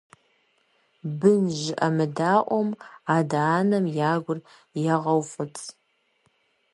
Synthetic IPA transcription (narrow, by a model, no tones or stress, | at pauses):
bɨnʒɪʔɐmɨdaːʔʷɔmaːdaːnɐmjaːɡʷʊr | jɛʁɐwfʼʊt͡sʰʼ